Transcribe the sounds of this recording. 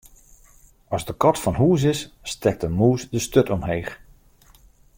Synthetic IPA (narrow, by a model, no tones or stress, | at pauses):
ɔzdəkɔtfɔnɦuːs̬ɪsstɛk̚təmuːsdəstøtɔmheːχ